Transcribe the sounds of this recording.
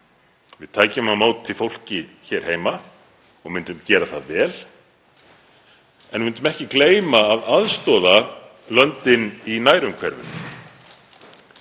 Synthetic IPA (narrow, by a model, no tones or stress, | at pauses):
vɪð̥t̪ʰaːjcʏmhamaːwt̪ʰːɪlfowl̥cɪçɛːɾ̥heːjma | ɔ̰ɣmʏnt̪ʏmcɛːɾaθaðvɛːl | ɛnvʏnt̪ʏmɛhcɪkleːjmaːðaðst̪ɔːða | lœnt̪ɪninaːjɾʏmkʰvɛ̰ɾvʏ̰m